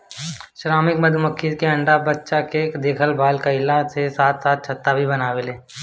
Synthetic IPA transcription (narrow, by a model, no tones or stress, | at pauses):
ʃɾaːmɪkməd̪ʱməkʰːitkeɐ̃ɳɖabɐtːʃakekd̪eːkʰəlbaːlkaɪlasesaːt̪saːt̪̚t͡ʃʰɐt̪ːabʱibɐnaːweleː